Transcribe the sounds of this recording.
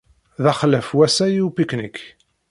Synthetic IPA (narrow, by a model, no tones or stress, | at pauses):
ðæχləfwæsæjiwpiknik